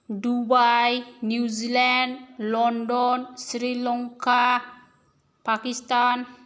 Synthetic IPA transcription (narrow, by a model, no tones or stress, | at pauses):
dubajnuzilandlɔndɔnsɾilɔŋka | pakist̪an